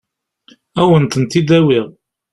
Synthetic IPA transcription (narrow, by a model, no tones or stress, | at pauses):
æwənt̪ənt̪id̪æwɪʁ